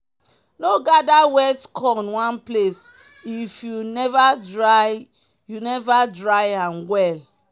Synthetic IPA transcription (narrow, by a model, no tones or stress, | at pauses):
noɡadawɛtkʰɔĩnwãnples | ifjunɛvadɹaj | junɛvadɹajãnwɛl